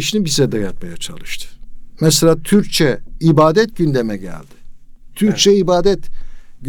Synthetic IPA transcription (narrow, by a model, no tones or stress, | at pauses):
iʃinibizɛd̪ɛjat̪̚majat͡ʃʰa̰lˠɯʃt̪ʰɯ̥mɛselʲaːt̪ʰyɾc̚t͡ʃʰɛibaːd̪ɛt̪̚ɟynd̪emɛɟæ̰lʲd̪̥ɪ̥t̪ʰyɾ̚t͡ʃʰɛibaːd̪ɛt̪ɟ